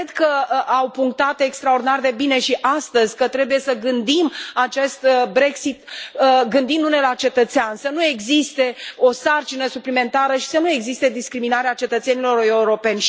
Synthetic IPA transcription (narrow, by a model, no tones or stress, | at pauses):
ed̪kəawpuŋk̚t̪at̪ekst̪ɾao̞rd̪inard̪e̞bine̞ʃiʔast̪əzʲkət̪ɾe̞buje̞səɡɨnd̪imat͡ʃe̞st̪bɾe̞ksit̪əɡɨnd̪imd̪une̞lat͡ʃe̞t̪ət̪seansənue̞ɡzist̪e̞o̞sart͡ʃinəsuplime̞nt̪aɾəʃi̥sənueɡzist̪e̞d̪iskɾiminaɾeat͡ʃe̞t̪ət̪se̞nilo̞ɾe̞uɾo̞pe̞nʲ